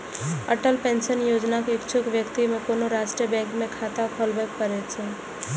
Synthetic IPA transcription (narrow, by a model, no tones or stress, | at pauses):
əʈəlpẽnʃənjod͡ʒnakeɪkt͡ʃʰʊkʋjəkt̪imẽkonoɾasʈɾijəbɛ̃ŋkmẽkʰat̪akʰolbɛk̚pəɾɛt͡ʃʰɛ